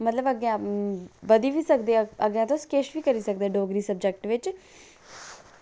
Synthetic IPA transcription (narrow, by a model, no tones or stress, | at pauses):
mət̪ləbəɡã | bəd̪iːʋiːsəkd̪eəɡjãːt̪oskeːʃʋiːkəɾiːsək̚d̪ɛːɖoːɡɾiːsəb̚d͡ʒɛk̚ʈʋɪt͡ʃ